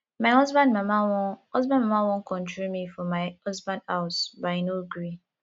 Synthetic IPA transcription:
maɪɦɔzbãndmamawɔhɔzbãndmamawɔ̃ŋkɔ̃ntimifɔmaɪhɔzbãndaʊsbaɪnoɡɾi

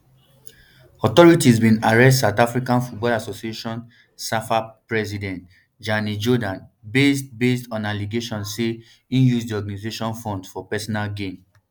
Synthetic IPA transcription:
ɔtɔɹitizbĩnaɹɛs̬tatafɹikãnfut̚bɔlasosieʃɔ̃n | safapɹɛsidɛ̃nt | d͡ʒanid͡ʒɔdãnbestbestɔ̃naliɡeʃɔ̃nse | ĩnjuzdiɔɡanizeʃɔ̃nfɔ̃ndfɔpɛsɔnalɡẽm

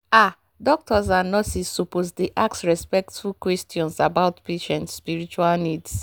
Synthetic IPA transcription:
a | dɔk̚tɔzanɔsisːopozdeʔaksɹɛspɛk̚tfulkwɛstiɔ̃nsabaʊtpeʃɛ̃ntspiɾit͡ʃualnids

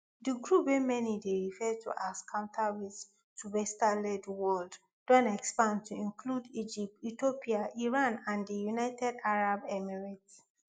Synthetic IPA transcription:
diɡɹupwemɛnideɹifɛtʰṵʔaskʰãʊ̃ntʰawið | tʰubɛstalɛdwɔld | dɔ̃nɛkspãndtʰuĩnkʰludid͡ʒip̚titopiaʔiɹãnãndijunaɪtʰɛdaɹabɛmɛɹit

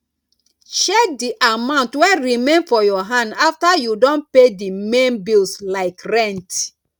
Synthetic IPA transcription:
ʃɛk̚diʔamãʊ̃ntwɛɹimẽnfɔjɔɦãndaftajudõnpedimẽnbilslaɪkɹɛ̃nt

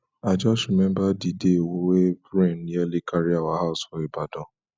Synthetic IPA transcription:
ad͡ʒɔʃumɛ̃mbadidewowebɾɛ̃nalikaɾiawaɦaʊsfɔibadɔ̃

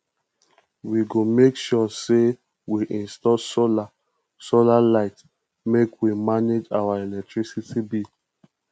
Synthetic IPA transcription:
wiɡomekʃɔse | wiʔĩnstɔsola | solalaɪt | mekwimaned͡ʒawaɛlɛk̚tɹisitibi

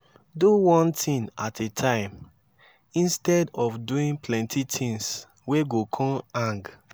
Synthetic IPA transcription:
duwɔ̃ntʰĩnatetʰãɪ̃m | ĩnstɛdɔfduĩnplɛ̃ntʰitʰĩŋs | weɡokʰɔ̃ãŋɡ

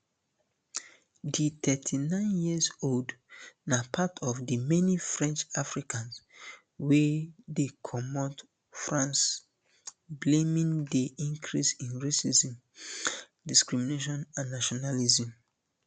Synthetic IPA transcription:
ditʰɛtʰinãɪ̃njizoldnapʰatʰɔvdimɛnifɹɛ̃nt͡ʃafɹikʰãns | wɛdekʰɔmɔt | fɹãns | blẽmĩŋdiĩŋkʰɹisĩnɹesizĩm | diskɹimineʃ̬ɔ̃nãnːaʃɔnalizĩm

